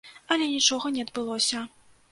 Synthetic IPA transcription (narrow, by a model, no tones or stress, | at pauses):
ɐlʲɛnʲit͡ʂɔɣɐnʲɛɐd̪bɨlˠɔsʲɐ